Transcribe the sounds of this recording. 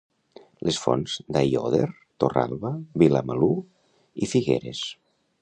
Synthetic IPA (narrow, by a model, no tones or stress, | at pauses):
lʔesfɔ̰nz̥d̪ajoðeɾ | t̪ora̰lˠβaβilamalu | ifiɣḛɾes